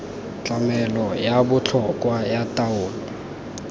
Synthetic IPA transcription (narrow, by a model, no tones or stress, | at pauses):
t͡ɬʼamɛlɔjabʊt͡ɬʰɔkʼwajatʼaʊːlɔ